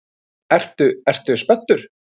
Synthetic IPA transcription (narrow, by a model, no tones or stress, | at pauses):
ɛr̥t̪ʏɛr̥t̪ʏspɛn̥t̪ʏɾ̥